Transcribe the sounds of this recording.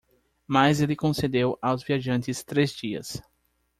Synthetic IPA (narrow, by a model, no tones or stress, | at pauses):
majzelɪkõsed̪ewawzviaʒɐ̃nt͡ʃɪst̪ɾezd͡ʒiɐ̰s